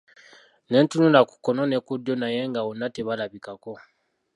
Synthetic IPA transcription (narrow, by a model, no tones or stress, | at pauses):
ne̞ːntununaku̥konone̞kudjo̞naje̞ŋɡawonːate̞βalaβikako̞